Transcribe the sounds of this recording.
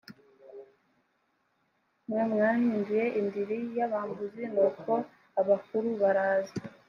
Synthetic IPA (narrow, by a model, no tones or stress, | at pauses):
mŋemŋaːhiːnduje̞ʔindiɾijaβaːmbuzinokʰo̞ | aβakuɾuβaɾaːza